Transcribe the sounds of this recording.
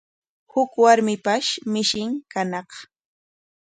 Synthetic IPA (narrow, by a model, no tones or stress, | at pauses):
hʊkwaɾmɪpaʃmɪʃɪŋkanɑq